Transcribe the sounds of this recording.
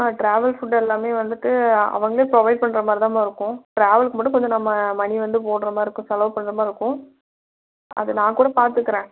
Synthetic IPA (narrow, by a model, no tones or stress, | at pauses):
aːʈɾaːʋɐlfʊʈɛlːaːmeːʋɐnd̪ɯkːɯɐ̰ʋɐŋɡɐɭeːpɾɔʋɐɪɖ̚pɐɳːɾɐmaːdɾit̪aːmaːɪɾɯkːʊ̃ʈɾaːʋɐlkɯmboːʈːɯ̃kɔɲd͡ʒɯnɐmːɐmɐniʋɐnd̪ɯp̬oːɳɾɐmaːɪɾɯkːʊ̃sɐlɐːpɐɳːɾɐmaːɪɾɯkːʊ̃ | ɐ̰ðɯnãːkuːɽɐpaːɾt̪ɯkːɪɾẽː